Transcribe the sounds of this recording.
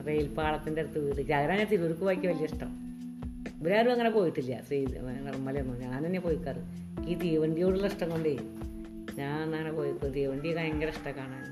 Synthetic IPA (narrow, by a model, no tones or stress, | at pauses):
rejilpaːɭɐt̪ːindeeɾt̪ːuʋiðikʲːɐɣɐɾaːnɐt̪iːloɾukːuʋaːikʲːɨʋɐlijɐiʂʈɐ̰m | biɾaːɾuɐŋːɐnepo̞ːjiʈːilːɐ̰sirmːɐlɐjonːoɲaːnt̪ɐnːepo̞ːjikːaːrɨ | kiːt̪ijʋɐɳɖijo̞ːɽulːɐiʂʈɐŋkoɳɖe | ɲaːnnɐːɐnepoːjiʈt̪ijʋɐɳɖijɐkaneŋɡɐɾɐiʂʈɐkaːɳaːn